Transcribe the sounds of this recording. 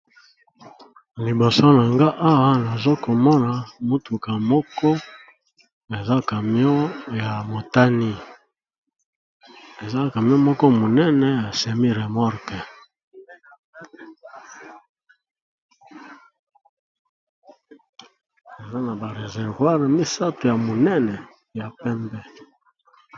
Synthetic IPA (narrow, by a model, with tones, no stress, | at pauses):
li˨bo˨so˦na˨ŋɡa˦ʔa˦wa˦na˨zo˦ko˨mɔ˦na˨mu˦tu˨ka˨mɔ˦kɔ˦ | e˨za˦ka˨mi˦ɔ˦ja˨mo˨ta˦ni˦ | e˨za˦˨ka˨mi˦ɔ˦mɔ˦kɔ˦mo˨nɛ˦nɛ˦ja˨sɛ˨mi˦ʁe˨mɔ˦ʁkɛ˨ | e˨za˦na˨ba˨ʁe˨zɛ˨ʁvwa˦ʁe˨mi˦sa˦to˨ja˨mo˨nɛ˦nɛ˨ | ja˨pɛ˦mbɛ˦